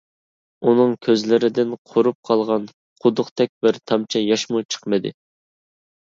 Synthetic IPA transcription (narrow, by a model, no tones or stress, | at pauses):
unɨŋkʲʰøzlɪɾɪd̪ɪnqʰoɾup̚qʰɑlˠʁɑn | qʰʊd̪ʊqt̪ʰɛk̚ʲbɪɾt̪ʰɑmt͡ʃʰɛjɑʃmut͡ʃʰə̥qmɨd̪ɨ̰